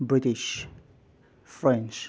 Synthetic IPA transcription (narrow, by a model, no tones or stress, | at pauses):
bɹɪtɪʃ | fɹɛ̃nt͡ʃ